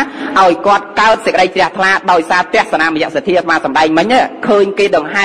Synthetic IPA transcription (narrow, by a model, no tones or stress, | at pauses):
ʔaɔjkŏət̪̚kaət̪̚səkəɗəjt͡ɕrɛ̆əht̪ʰlaːɗaɔjsaːt̪ɛ̆əhsanaːməjɛ̆əʔsat̪ʰːiət̪ʰʋaːsɑmɗaɛŋmɨɲʔaːkʰəːɲkeːɗɑŋɦa